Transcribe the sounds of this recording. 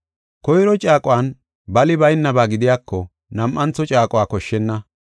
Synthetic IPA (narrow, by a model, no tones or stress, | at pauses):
kɔjɾɔt͡ʃʼaːkʼʊwaːn | bɐlɪbɐjnːɐbaːɡɪd̪ɪjaːkːɔ | nɐmʔɐnt͡sːɔt͡ʃʼaːkʼʊwaːkɔʃːɛnːɐ